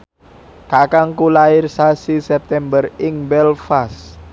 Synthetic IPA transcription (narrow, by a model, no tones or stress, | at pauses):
kakaŋkulaɪrsasisɛp̚t̪ɛmbərɪŋbɛlfas